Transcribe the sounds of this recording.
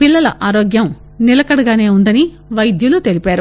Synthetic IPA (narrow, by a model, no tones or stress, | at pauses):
pilːɐlɐ̰ʔaːɾoːɡjɐm | nilɐkɐɽɐɡaːne̞ːund̪ɐni | ʋɐjd̪julut̪e̞lipaːɾu